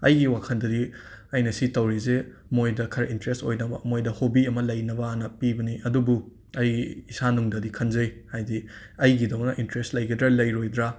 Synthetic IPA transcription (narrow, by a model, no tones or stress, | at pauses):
ɐ̰jɡiwakʰɐndɐdiɐjnɐsitɐwɾize | mojdɐkʰɐɾintɾesto̰jnɐbɐ̰mojdɐhobiɐmɐlɐjnɐbɐnɐpibɐniʔɐdubu | ɐjɡiːsanuŋdɐdikʰɐnzɐjhajdi | ɐjɡidɐwnɐʔintɾestlɐjɡɐdɾɐlɐjɾojd̪ɾa